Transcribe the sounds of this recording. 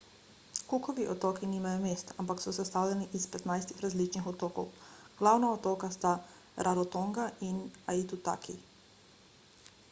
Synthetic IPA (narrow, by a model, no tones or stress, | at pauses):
kukɔʋiʔɔt̪oːkinimajɔmeːst̪ampaksɔsɛst̪awlʲɛniʔispɛt̪najst̪ixɾazlit͡ʃnixɔt̪oːkɔ̰w | ɡ̥lawnaot̪oːkast̪a | ɾʔaɾɔt̪oŋɡaʔinait̪ut̪a̰ːkʰi